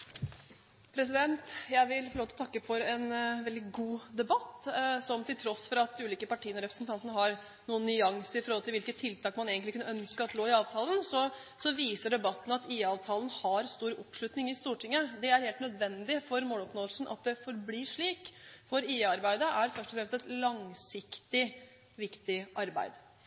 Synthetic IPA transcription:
pʰɾɛsɪd̪ɛnt̪jæɪʋɪlfɔloːt̪ʰlɔt̪ʰɑkːəfɔɾɛnʋɛld̪ɪɡuːd̪ɛbɑt̪ːsɔmt̪ʰɪlt̪ʰɾɔsːfɔɾɑt̪ʉːliːkəpɑʈʰiːənɔɾɛpɾəsn̩t̪ʰɑnt̪ənəɦɑɾ | nuːənːʏɑŋsəɪfɔɾɔhɔlt̪ɪlʋɪlkət̪ʰːɪlt̪ʰɑːkmɑneːɡənlɪkʰʉnəœnskəɾɑt̪loːɪɑːʋt̪ʰɑːlənsɔ | sɔʋiːsəɖɛbɑt̪ːn̩ɑt̪iːɑːʋt̪ʰɑːlən̩hɑɾst̪uːɾɔpʂɭʉt̪nɪŋɪst̪uːʈʰɪŋːəd̪ɛæɾheːlt̪nœd̪ʋɛnd̪ɪfɔɾmoːlɔpnoːd̪əlsnʔɑ̰t̪̚d̪ɛfɔɾbliːʂɭiːkfɔɾiːɑɾbæɪd̪əʔæɾfœʂʈɔfɾɛmst̪ɛt̪lɑŋsɪkt̪ɪ | ʋɪkt̪ɪʔɑɾbæ̰ɪd̪

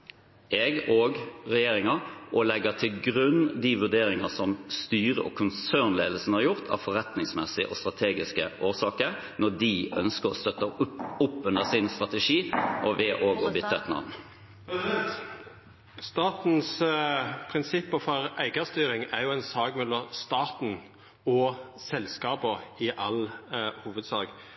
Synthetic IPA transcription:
ʔɛɡoːɡʁɛjeːɾɪŋəʔɔlɛɡət̪ʰɪlɡɾʉnd̪iʋʉʁɖ̪eːɾɪŋəsɔmst̪yːʁə̰ʔɔ̰kʰʊnsøːnleːd̪l̩sən̩əhɑɾjʊʁt̪ʰɑ̰ːʋfɔʁɛt̪nɪŋsmɛsɪʔɔ̰st̪ʁɑt̪ʰeːɡɪskəʔoːʁsɑːkəɾ | nɔd̪iœnskəʁɔ̰st̪œt̪ːəpʊpːʉnd̪əsɪnst̪ʁɑt̪ɛʂiːʔɔʋɛʔoːɡɔbʏt̪ːəɛt̪nɑ̰ʋn | st̪ɑːt̪n̩s | pʰɾɪnsɪpːəfɔɾæɪɡɑst̪yːɾɪŋæɾjʊænsɑːɡmɛlːɔmst̪ɑːt̪n̩ | ɔsɛlskɑːbɔɪʔɑlhuːʋəd̪sɑːɡ

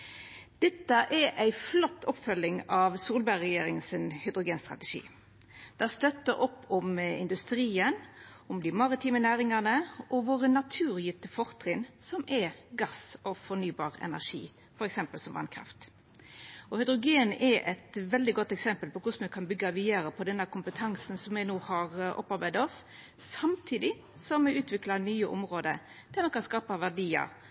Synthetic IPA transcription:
d̪̥ɛt̪ːəʔɛʔæɪflɔt̪ːɔpːfœlːɪŋɑʋsuːlbæʁɛjeːɾɪŋənsɪnhʏd̪ɾʊɡeːnst̪ʁɑ̰t̪ɛʂḭː | d̪̥æst̪œt̪ːəɾʔɔpːʊmɪ̰nd̪ʉst̪ɾiːənʊmd̪ɪmɑʁɪt̪ʰiːmənæːɾɪŋɑnəʔɔʋoːʁənɑt̪ʰʉːʁjɪt̪əfɔʁt̪ʰʁɪn | sɔmʔɛɡɑsɔfɔnyːbɑːʁɛ̰næʂḭː | fɔɾɛksɛmpəlsɔmʋɑ̰nkʰɾɑ̰ft̪ | ɔhœd̪ɾʊɡeːnʔɛʔɛt̪ʋɛld̪ɪɡɔt̪ːɛksɛmpəlpɔkʰʊsmɛkʰɑnbʏɡːɑʋɪəɾəpʰɔd̪ɛnːəkʰʊmpət̪ʰɑŋsnsɔmʋɛɪnoːhɑɾʔɔ̰pːɑɾbæɪd̪ɔs | sɑmt̪ʰiːd̪ɪ | sɔmːɛʉːt̪ʰʋɪklɑnyːəʔʊ̰mʁoːd̪ə̰ | d̪̥æmɛkɑnskɑːpəʋæʁɖiːɑ̰

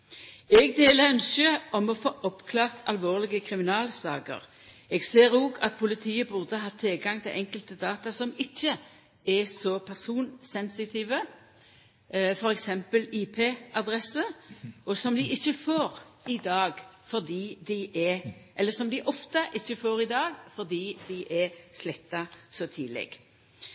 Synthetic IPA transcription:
ɛɡd̪eːləœnsəʔɔmɔfoːʔɔpkʰlɑːʁt̪ʰɑlʋoːʁlɪɡəkʰʁɪmɪnɑːlsɑ̰ːkə̰ʁ | ɛɡseːɾoːɡɑt̪̚pʰʊlɪt̪ʰiːəbʊʁd̪əɦɑt̪ʰːɪlɡɑŋt̪ʰɪlʔɛŋkəlt̪əd̪ɑːt̪ɑsɔmɪçːə | ɛsɔpʰæʁsuːnsɛnsɪt̪ʰiːʋə | ʔfɔɾɛksɛmpəliːpʰeːʔɑd̪ʁɛsəɔsɔmd̪ɪʔɪçːəfoːʁ | ɪd̪ɑːɡfɔʁd̪iːd̪ɪʔɛʔɛlːəsɔmd̪ɪʔɔft̪əʔɪçːəfoːʁɪd̪ɑːɡfɔʁd̪iːd̪ɪʔɛslɛt̪ːɑsɔt̪ʰiːlɛ̰ɡ̥

